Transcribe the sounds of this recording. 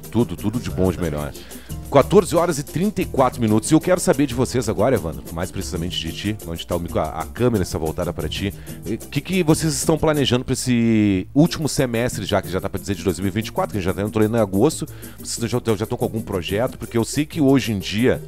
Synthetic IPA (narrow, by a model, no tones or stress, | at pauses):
t̪ud̪ʊt̪ud̪ʊd͡ʒɪbõd͡ʒɪmeʎɔ̰ɾ | kwat̪oɾzɪɔɾɐzɪt̪ɾĩnt̪ɐjkwat̪ɾʊmĩnut̪ʊ̥szɪewkɛɾʊsabeɾd͡ʒɪvosezaɡɔɾɐɛvɐ̰̃nɐ̰majspɾesizamẽnt͡ʃɪd͡ʒɪt͡ʃɪõd͡ʒɪ̥t̪aumikʊɐ̰ʔɐ̰kɐ̃meɾɐɪst̪avowt̪ad̪ɐpaɾɐt͡ʃiɛkɪkɪvosezɪst̪ɐ̃w̃planeʒɐ̃nd̪ʊpɾɐesɪuwt͡ʃimʊsemɛst̪ɾɪʒakɪʒat̪apɾɐd͡ʒɪzeɾd͡ʒɪd̪ojzmiuwivĩt͡ʃɪ̥kwat̪ɾʊkɐẽt͡ʃʒat̪ɛ̃t̪olẽñaɡost̪ʊ | vosezñʒaɐ̃ʒast̪ɐ̃wkõawɡũpɾoʒɛt̪ʊ̥pʊɾkeewsejkɪoʒẽj̃d͡ʒiɐ